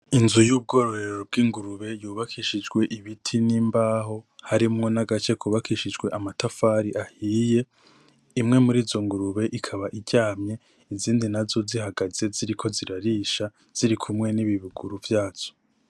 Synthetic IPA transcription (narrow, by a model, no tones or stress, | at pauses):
inzujuːb̚ɡo̞ɾo̞ɾe̞ɾo̞b̚ɡiːŋɡuɾuβe̞juːβakʰiʃid͡ʒɡwe̞ʔiβitʰiniːmbaːho̞haɾimŋo̞naɡat͡ʃe̞kʰuβakʰiʃid͡ʒɡwe̞ʔamatafaːɾiʔahiːje̞ | imŋe̞muɾiːzo̞ŋɡuɾuβe̞ʔikʰaβaʔiɟaːmɲe̞ | iziːndinazo̞zihaɡaz̥e̞ziɾikʰo̞ziɾaɾiːʃa | z̥iɾikʰumŋe̞niβiβuɡuɾuvjaːz̥o̥